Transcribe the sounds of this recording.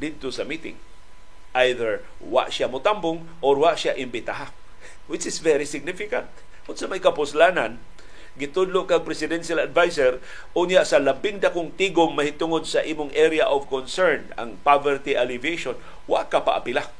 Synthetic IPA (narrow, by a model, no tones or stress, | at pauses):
d̪ɪd̪̚t̪osɐmiːt̪ɪ̰ŋ | ʔajðɛɹ | wa̰ʔʃamʊt̪ambʊŋ | ʔoɾwaʔʃjaʔɪmbɪt̪aɦa | wɪt͡ʃɪsvɛɾisɪɡ̚nɪfɪka̰nt̪̚ | ʊdsɐmajkapʊslanan | ɡɪt̪ʊd̪lʊʔkaŋpɾɛsɪd̪ɛnʃalad̪vajsɛɾ | ʔʊnjaʔsɐlabɪŋd̪akʊŋt̪iɡʊmːɐhɪt̪ʊŋod̪̚saʔiːmʊŋʔɛɾjaʔovkonsɛɹna̰ŋpavɛɹt̪iʔalɪviejʃon | wa̰ʔkapa̰ʔa̰pɪla